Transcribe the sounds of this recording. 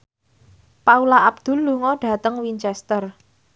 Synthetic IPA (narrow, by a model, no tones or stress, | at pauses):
paulaab̚d̪̥ʊ̤lːuŋɔɖ̥ä̤t̪əŋwint͡ʃɛst̪ər